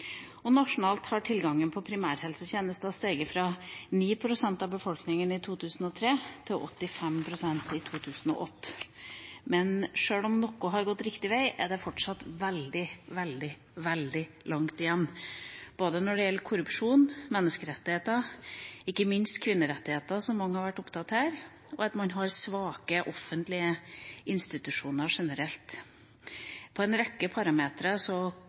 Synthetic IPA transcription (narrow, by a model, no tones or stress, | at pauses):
ɔnɑʂʊnɑːlt̪hɑʈʰɪlɡɑŋːənpʰɔpʰɾɪmæːɾhɛlsəçeːnəst̪əɑst̪eːɡəfɾɑniːpʰɾʊsɛnt̪ɑbəfɔlknɪŋənɪt̪ʰuːt̪ʰʉːsn̩ɔt̪ʰɾeːt̪ʰɪlʔɔ̰t̪ːɪfɛmpʰɾʊsɛnt̪ɪt̪ʰuːt̪ʰʉːsən̩ɔ̰ʔɔt̪ː | mɛnʂøːlɔmnɔkʊɦɑɾɡɔt̪ːɾɪkt̪ɪʋæɪʔæɖɛfɔʈʂɑt̪ʋɛld̪ɪʋɛld̪ɪ | ʋɛld̪ɪ | lʔɑŋt̪ɪjɛnːb̥oːd̪ənɔɖɛjɛlːəɾkʰʊɾʉpʂuːnmɛnːəskəɾɛt̪ːɪheːt̪ɑɪkːəmɪnst̪kʰʋɪnːəɾɛt̪ːɪheːt̪ɑsɔmːɑŋːəhɑɾʋæʈːʊpt̪ʰɑt̪hæːɾ | ɔɑt̪mɑnɦɑɾsʋɑːkəʔɔfːənt̪lɪəʔɪnst̪ɪt̪ʉʂuːnəɾʂɛnəɾɛlt̪ | pʰɔɛnɾɛkːəpʰɑɾɑmeːt̪ɾəsɔ